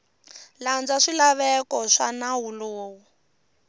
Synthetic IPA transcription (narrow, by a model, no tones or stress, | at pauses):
land͡zaʂilaβɛkɔʂanaɦuloːwu